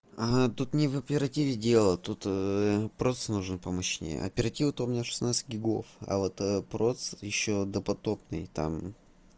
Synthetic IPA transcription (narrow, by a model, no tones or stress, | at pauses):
at̪ut̪nʲɪvɐpʲɪɾɐtʲivʲɪdʲe̞lˠət̪ut̪pɾot̪snuʐɨnpəmɐɕnʲḛjə̰ɐ̰pʲɪɾɐtʲivɨt̪omʲnʲaʂɨ̥snat̪sɨ̥tʲɡʲɪɡo̞̰fɐ̰vot̪əpɾo̞t̪sjɪɕːod̪əpɐt̪o̞pnɨjt̪a̰m